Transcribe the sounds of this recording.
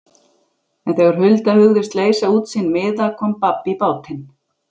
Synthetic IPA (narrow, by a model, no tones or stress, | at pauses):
ɛnθɛɣʏɾ̥hʏlt̪ahʏɣðɪst̪leːjsauːt̪sinːmɪːðakʰɔnpapːipaːwt̪ʰɪn